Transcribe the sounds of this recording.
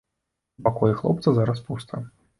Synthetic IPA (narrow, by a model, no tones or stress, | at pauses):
pakɔjixlˠɔ̰p̚t̪sɐzaɾɐs̬pust̪ɐ̰